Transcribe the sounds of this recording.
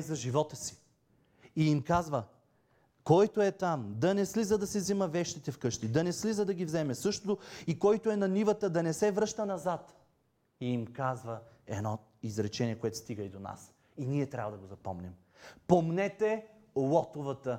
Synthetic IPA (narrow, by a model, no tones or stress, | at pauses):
zɐʒivɔt̪əsi̥ | iimkazvə | kɔjt̪oɛt̪amd̪ɐnɛslizəd̪ɐsɛzimɐvɛʃt̪it̪ɛfkɤʃt̪id̪ɐnɛslizəd̪ɐɡʲivzɛmɛsɤʃt̪ot̪oikɔjt̪oɛnɐnivət̪əd̪ɐnɛsɛvɾɤʃt̪ənɐzat̪ | iimkazvəɛ̰d̪nɔ | izɾɛt͡ʃɛnʲiɛkoɛt̪o̥st̪iɡəid̪ona̰s | iniɛt̪ɾʲa̰vəd̪ɐɡozɐpɔ̰mnʲɛm | pomnɛt̪ɛ | lˠɔt̪ovət̪ə